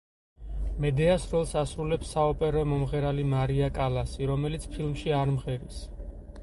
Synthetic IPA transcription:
mɛd̪ɛasɾɔlˠsasɾulɛpsaɔpʼɛɾɔmɔmʁɛɾalimaɾiakʼalasiɾɔmɛlit̪sʰpʰilˠmʃiaɾmʁɛɾis

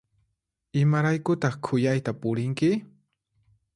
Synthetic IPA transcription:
ɪmaɾajkʊt̪ɑχkʰʊjajt̪apʊɾɪŋkɪ

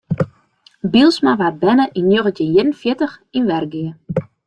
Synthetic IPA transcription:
bilˠsmaʋat̚bɛnəʔinjoɣəntɪnjɪrən̩fjɪtəxinʋɛrɡɪə

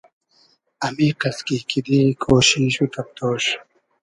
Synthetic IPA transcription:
ɐmiqɐskikid̪ikʰoːɕiɕut̪ɐp̚t̪oːɕ

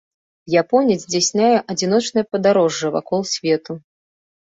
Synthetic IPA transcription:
japɔnʲizʲd͡zʲasʲnʲajɛʔɐd͡zʲinɔt͡ʂnɐjpɐd̪aɾɔʐːɨva̰kɔlˠsʲvʲɛt̪u

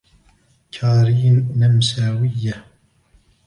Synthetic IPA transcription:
kʰaːɾiːnːamsaːwɪjːa

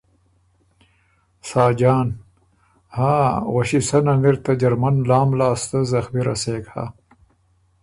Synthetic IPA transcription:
saːd͡ʑaːn | haːwɐɕisɐnɐniɾt̪ɐd͡ʑɐɾmɐnlaːmlaːst̪ɐzɐxbiɾɐ̰seːkha̰ː

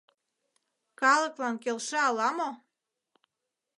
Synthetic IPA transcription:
kɑlə̆klɑnkelʃeɑlɑmo

